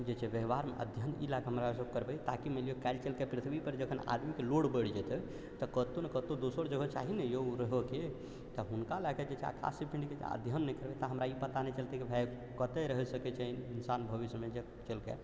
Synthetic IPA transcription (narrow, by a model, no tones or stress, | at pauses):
d͡ʒet͡ʃʰɛbjəɦbaɾmḛʔə̰d̪ʱjənḭlaɡɦəmɾasəb̚kəɾbɛjt̪akimeliokaɪlt͡ʃelkepɾit̪ʰbipəɾd͡ʒəkʰəna̰d̪mikeloɽbəɽd͡ʒɛt̪ɛ | t̪əkət̪onekət̪od̪osəɾd͡ʒəɡʱɔt͡ʃa̰ɦinɛjoɾəɦoke | t̪əɦunkalaked͡ʒet͡ʃʰa̰kʰa̰sipʰĩɳɖket͡ʃə̰d̪ʱjənːɛjkəɾbɛt̪aɦəmɾaipət̪anɛt͡ʃəlt̪ɛkebʱɛ | kət̪ɛɾəɦɛsəkɛt͡ʃʰɛininsanbʱəʋismed͡ʒe | t͡ʃəlkḛ